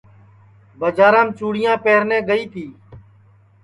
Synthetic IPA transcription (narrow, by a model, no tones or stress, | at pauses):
bəd͡ʒaːɾãːmt͡ʃuːɽɪjãːpeːɾnẽːɡəiːt̪ʰiː